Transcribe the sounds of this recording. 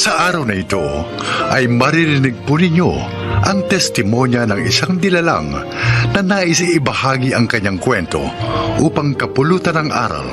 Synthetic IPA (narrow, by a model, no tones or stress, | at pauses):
sɐʔaːɾɐwnɐɪt̪o̰ | ʔɐjmɐɾiɾɪnɪɡ̚pʊnɪɲːo̰ | ʔɐŋt̪ɛst̪ɪmonjɐnɐŋɪ̰saŋd̪ɪlala̰ŋ | nɐnaʔɪsɪbɐhaːɡiʔɐŋkɐɲaŋkwɛnt̪o̞̰ʔuːpɐŋkɐpʊluːt̪ɐnɐŋʔa̰ːɾɐ̰l